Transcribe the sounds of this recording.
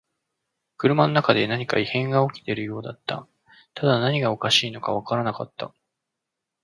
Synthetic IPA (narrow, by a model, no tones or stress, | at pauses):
kɯ̟ɾɯ̟mano̞nakad̪e̞naɲ̟ikaihẽ̞ŋɡao̞kʲi̥t̪e̞ɾɯ̟jo̞ːd̪at̪ːa̰ | t̪ad̪anaɲ̟iɡao̞kaɕiːno̞kaβ̞akaɾanakat̪ːa